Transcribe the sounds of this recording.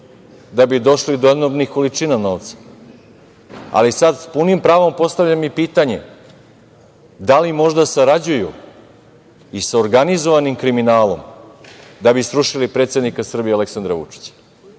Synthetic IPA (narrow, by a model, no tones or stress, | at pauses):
d̪abid̪o̞ʃlid̪ojed̪nobnixkolit͡ʂinano̞ːʋt̪sḁ | a̰lisad̪spunimpɾaːʋo̞mpo̞st̪aʋlʎamipiːt̪aɲe̞̰ | d̪alimo̞ʒd̪asaɾad͡ʑuju | isaoɾɡanizo̞ʋanimkɾiminaːlo̞̰m | d̪abisɾuʃilipɾet̪sje̞d̪nikasr̩bijealeksand̪ɾaʋṵt͡ʂi̥t͡ɕḁ